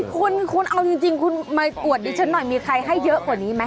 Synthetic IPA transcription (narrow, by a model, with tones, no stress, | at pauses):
kʰu˧nkʰu˧nʔa˧wt͡ɕi˧ŋt͡ɕi˧ŋkʰu˧nmaː˧p̪u˨˩ət̪̚diː˧t͡ɕʰa˦˥nːɔ˨˩jmiː˧kʰɾa˧jɦa˥˩jːɤ˦˥ʔku˨˩niː˦˥ma˦˥